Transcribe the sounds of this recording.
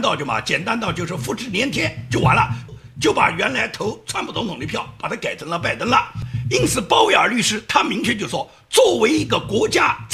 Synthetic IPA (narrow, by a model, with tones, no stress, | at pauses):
t̪ɑ˥˧ʊt͡ɕjo˥˩ʊmɐ̰˩t͡ɕjɛ˨˩nt̪a˥nt̪ʊt͡ɕjo˥˧ʊʂɻ̩˥˩fu˥˧ʈ͡ʂɻ̩˥˩njɛ˧˥nt̪ʰjɛ˥nt͡ɕjo˥˩ʊwa˧˥nlə̰˧ | t͡ɕjo˥˩ʊpa̰˨˩ɥɛ˧˥nla˧˥ɪt̪ʰo˧˥ʊʈ͡ʂʰwa˥npʰu˨˩t͡sʊ˧˥ŋt̪ʰʊ˨˩ŋ˧˥pʰjɑ˥˩ʊpa˨˩t̪ʰa˥ka˨˩ɪʈ͡ʂʰɤ˧˥ŋlə˧pa˥˩ɪt̪ə˥ŋlə˨i˥nt͡sʰɹ̩˨˩pɑ˥ʊwe˥˩ɪə˞˨˩ly˥˩ʂɻ̩˥t̪ʰa˥mi˧˥ŋt͡ɕʰɥɛ˥˧t͡ɕjo˥˧ʊʂwɔ˥ | t͡swɔ˥˩we˧˥ɪi˧˥ɡə˧kwɔ˧˥t͡ɕja˥t͡s